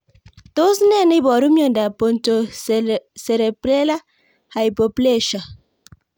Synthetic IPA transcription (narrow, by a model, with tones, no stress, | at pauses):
to˦si˦nɛ˦˨ni˦bɔ˨ɾu˦mjo˨nda˨po˨n˨to˨ | se˨ɾe˨pɾe˦la˦ | ha˨jpo˨ple˦˨ʃa˨